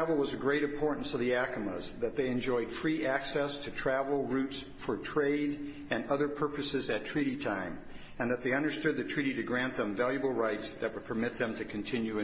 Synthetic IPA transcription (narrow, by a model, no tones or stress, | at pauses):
vl̩ˠwʌzɨɡɹeɪɾɨ̃mpʰɔɹʔn̩sʌvðiækəmə̰zðɨt̪̚ðeɪɨ̃nd͡ʒɔɪd̥fɹiʔæksɛstʰɨtʰɹ̥ævl̩ˠɹʉts | fə˞tʰɹ̥eɪɾ | ɨ̃nʌðə˞pʰɜ˞pɨsɨzɨtʰɹ̥iɾitʰãɪ̃m | ɨ̃nðɨt̪̚ðeɪʌ̃ndə˞stʊd̪̚ðɨtʰɹ̥iɾiɾɨɡɹæ̃nðə̃ɱvælˠjɨbl̩ˠɹaɪtsðɨt̚wəd̚pʰə˞mɪt̪̚ðɨ̃mtʰɨkʰɨ̃ntʰɪ̃njʉɨ̃